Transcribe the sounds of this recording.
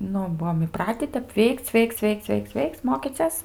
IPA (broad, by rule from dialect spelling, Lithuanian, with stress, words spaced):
ˈnʊ ˈbuɔm ɪˈprɑːtʲiː ˈtʲɛp ˈʋʲɛɪkt͡s ˈʋʲɛɪkt͡s ˈʋʲɛɪkt͡s ˈʋʲɛɪkt͡s ˈʋʲɛɪkt͡s ˈmoːkʲiːt͡sʲɛs